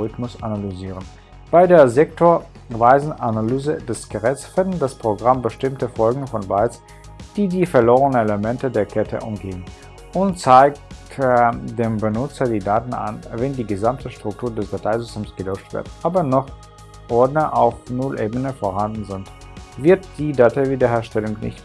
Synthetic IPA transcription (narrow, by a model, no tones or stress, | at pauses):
ʁɪtmʊsanalyziːʁ̞ən | b̥aɪdeːɐzɛk̚tʰoːɐ | vaɪzn̩ʔanalyːzədɛsɡ̥əʁɛt͡sfɪndn̩daspʁ̥oɡʁambəʃtɪmtəfɔlɡŋ̩fɔnbaɪt͡s | d̥iːdiːfɛɐloːʁənəneləmɛntədeːɐkʰɛtʰə̰ʔʊ̰mɡeːən | ʔʊntt͡saɪk̚tdeːmbənʊt͡sɐdiːdaːtn̩a̰nvɛndiːɡəzamtʰəʃtʁ̥ʊk̚tʰuːɐdɛsd̥atʰaɪzʏstʰeːmsɡ̥əlɔt͡ʃtv̥ɪ̰ɐtʔaːbɐnɔχ | ʔɔɐdnəʔa̰ʊfnʊlʔeːbənəfoːɐhandn̩zɪnt | v̥ɪɐtd̥iːdatʰaɪviːdɐheːɐʃtɛlʊŋknɪ̰çt